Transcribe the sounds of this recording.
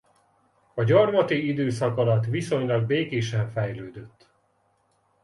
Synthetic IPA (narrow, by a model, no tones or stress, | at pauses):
ɒɟɒrmɒt̪iid̪øːsɒkɒlɒt̪ʋiso̞ɲlɒɡ̚beːkeːʃɛɱfɛjløːd̪øt̪ː